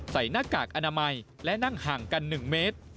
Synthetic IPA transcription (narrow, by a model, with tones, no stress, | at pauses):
sa˩˦jnaː˦˥˩kaː˨˩k̚ʔa˧naː˧ma˧jlɛ˦˥na˥˩ŋhaː˨˩ŋka˧nːɯ˨˩ŋmeː˦˥t̪̚